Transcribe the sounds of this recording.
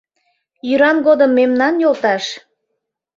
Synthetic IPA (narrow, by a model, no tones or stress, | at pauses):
jyɾɑnɡod̪əmːemnɑnjolt̪ɑʃ